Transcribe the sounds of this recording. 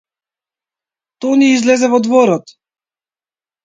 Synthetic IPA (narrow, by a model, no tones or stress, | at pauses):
t̪ɔniizlɛzɛvɔd̪vɔɾɔt̪